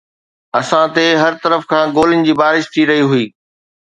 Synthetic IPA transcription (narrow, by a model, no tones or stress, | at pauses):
ɐsãt̪eɦɐɾt̪ɐɾəfkʰãːɡoːlɪn̆d͡ʑiːbaːɾɪʃt̪ʰiɾɐɦiɦʊiː